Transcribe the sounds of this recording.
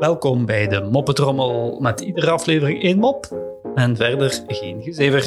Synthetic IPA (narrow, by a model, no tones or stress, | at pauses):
ʋɛlˠkɔmbɛjdəmɔpətrɔməlˠmɛtidərəɑfleːvərɪŋeːnmɔpɛnvɛrdərɣeːnɣəzeːvər